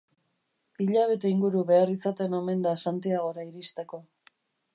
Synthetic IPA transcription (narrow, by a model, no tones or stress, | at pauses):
iʎaβ̞e̞t̪e̞iŋɡuɾuβe̞arisat̪e̞no̞me̞nd̪asant̪iaɣo̞ɾaiɾist̪e̞ko̞